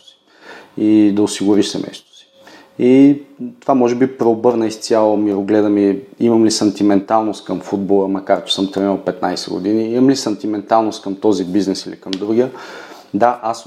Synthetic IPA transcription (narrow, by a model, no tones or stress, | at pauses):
si̥ | id̪ɐosiɡʊɾiʃsɛ̰nɛ̰st̪ʊ̥si̥ | it̪ovamɔʒɛbipɾɛobɤɾnəist̪sʲjalˠomiɾoɡlɛd̪əmiiməmlisɐnt̪imɛnt̪alˠnost̪̚kəmfud̪̚bolˠəmɐkaɾt͡ʃɛ̥səmt̪ɾɛnəlˠpɛt̪najsɛ̰ɡʊ̰d̪iniimɐmlisɐnt̪imɛnt̪alˠnost̪kəmt̪ɔzibiznɛsilḭkəmd̪ɾuɡijə | d̪aʔas